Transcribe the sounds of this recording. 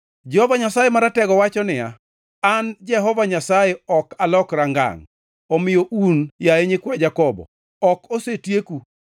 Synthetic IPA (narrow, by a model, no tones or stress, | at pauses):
d͡ʒɛhɔvaɲasajemaɾatɛɡɔwat͡ʃɔnɪja̰ | and͡ʒɛɦɔvaɲasajeɔkalɔkɾaŋɡa̰ŋ | ɔmɪjoʔunjaeɲɪkwɛd͡ʒakɔbɔ̰ | ɔkosetjeku